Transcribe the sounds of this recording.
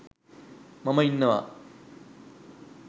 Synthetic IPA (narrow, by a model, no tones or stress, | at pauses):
mɐmɐinːɐʋa̰